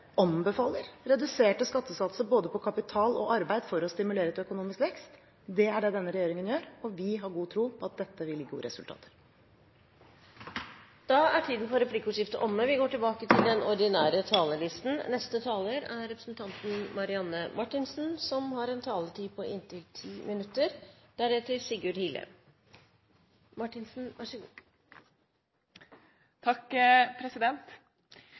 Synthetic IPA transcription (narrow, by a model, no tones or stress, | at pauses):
ʔɑmbəfɑːlːəɾɾɛd̪ʉseːʈəskɑt̪ːəsɑt̪səboːd̪əpʰɔkʰɑpɪt̪ʰɑːlɔʔɑɾbæɪd̪fɔɾɔst̪ɪmʉleːɾəɛt̪œkʊnuːmɪskʋɛkst̪ | d̪ɛæɖɛd̪ɛnːəɾɛjeːɾɪŋənjøːɾɔʋɪɦɑɾɡuːt̪ʰɾuːpʰɔɑt̪̚d̪ɛt̪ːəʋɪlːɪɡṵːə̰ɾɛsʉlt̪ʰɑ̰ːt̪ʰə̥ɾ | d̪̥ɑæʈʰiːd̪n̩pɔɾɛpʰlɪkːəʊʂɪft̪əʔɔmːəʋɪɡoːʈɪlbɑːkət̪ʰɪld̪ɛnɔɾd̪ɪnæːɾət̪ʰɑːləɭɪst̪n̩nɛst̪ət̪ʰɑːləɾæɾɛpɾəsn̩t̪ʰɑnt̪n̩mɑɾɪɑnːəmʔɑʈːɪnsn̩sɔmhɑɾɛnt̪ʰɑːləʈ̪ʰiːpʰɔʔɪnt̪ʰɪlt̪ʰiːmɪnʉt̪ːəɾd̪̥æɾɛt̪ːəɾsɪɡʉɖhiːlə̰ | mɑʈːɪnsn̩ʋɑʂəɡ | t̪ʰɑkpʰɾɛsɪd̪ɛnt̪